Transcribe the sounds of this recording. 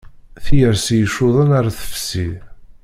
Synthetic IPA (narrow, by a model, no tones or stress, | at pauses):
θjəɾsijəʃːʊðˤənaɾaθə̥fsi